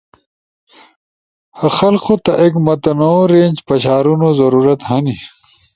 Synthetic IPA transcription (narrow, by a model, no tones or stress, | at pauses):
hɐxɐlqot̪ɐʔekmɐt̪ɐnoɾeːnʲd͡ʑpɐɕaːɾunozɐɾuːɾɐt̪hɐni